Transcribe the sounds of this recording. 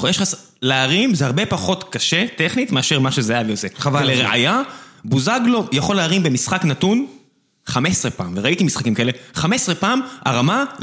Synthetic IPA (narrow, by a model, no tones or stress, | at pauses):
jeʃχas | leaʁimzehaʁbe̞paχo̞tkaʃet̪eχnitmeaʃeʁmaʃezeajavejoseleʁeʔa̰jabuzaɡlo̞jaχo̞lːeaʁimbe̞misχaknatun | χamesʁepaːmveʁait̪imisχakimkaele̞χamesʁepaːma̰ʁama